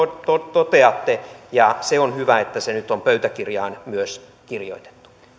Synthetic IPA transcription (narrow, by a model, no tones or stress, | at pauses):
t̪ot̪ot̪eɑt̪ːejɑseonhyʋæet̪ːæsenyt̪ompøyt̪ækirjɑːnmyøs | kirjo̰it̪e̥t̪ːu̥